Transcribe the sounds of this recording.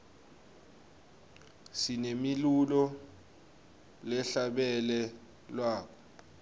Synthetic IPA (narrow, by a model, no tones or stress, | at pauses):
sinemilulɔ | lɛɬaɓɛlɛ | lwaːk̬ʰɔ̥